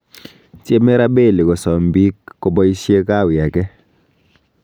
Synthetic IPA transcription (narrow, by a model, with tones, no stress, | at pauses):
t͡ʃe˦mɛ˦ɾa˦be˦˨lɪ˨kɔ˨sɔ˨m˨bi˦kːɔ˨bɔ˦i˦sje˦ka˦˨wja˨kɛ˦